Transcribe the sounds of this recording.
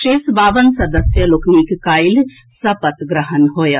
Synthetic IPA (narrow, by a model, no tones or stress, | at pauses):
ʃeːsbaːʋənsɐd̪əsjəlokniːkkaːɪl | sɐpət̪ɡɾəɦənɦoːja